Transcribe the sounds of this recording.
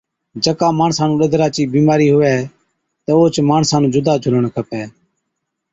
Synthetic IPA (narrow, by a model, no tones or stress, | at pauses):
d͡ʒəkaːmaːɳsaːnũːɗəd̪ʱɾaːt͡ʃiːbiːmaːɾiːɦʊʋɛː | t̪əoːt͡ʃmaːɳsaːnũːd͡ʒʊd̪aːt͡ʃʰʊl̤əɳkʰəpɛː